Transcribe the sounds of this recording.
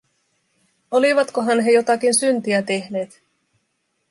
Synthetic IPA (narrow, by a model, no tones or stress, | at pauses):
o̞liʋɑt̪koɦɑnɦe̞jo̞t̪ɑk̟insynt̪iæt̪e̞hne̞ːt̪